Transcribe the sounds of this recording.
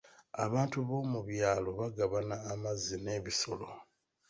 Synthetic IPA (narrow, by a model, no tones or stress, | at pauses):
a̰βaːntuβo̞ːmuβjaːlo̞βaɡaβanaːmazine̞ːβiso̞lo̞